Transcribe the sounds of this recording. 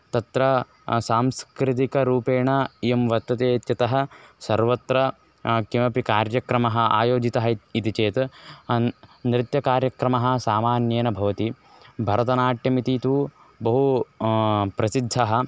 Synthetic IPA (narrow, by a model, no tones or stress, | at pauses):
t̪ɐt̪ɾɐ | saːmskɾɪt̪̬ikɐɾuːpeːɳɐemʋɐt̪ːɐt̪eːt̪jɐt̪ɐɦɐ̆sɐɾʋɐt̪ɾɐ | kimɐpikaːɾjɐkɾɐmɐɦɐ̆a̰ːjoːd͡ʒit̪ɐɦɐit̪it͡ʃeːt̪ | nɾɪt̪jɐkaːɾjɐkɾɐmɐɦɐ̆saːmaːnjeːnɐbʱɐʋɐt̪i | bʱɐɾɐt̪ɐnaːʈjɐmit̪iːt̪uː | bɐɦu | pɾɐsid̪ʱːɐɦɐ̆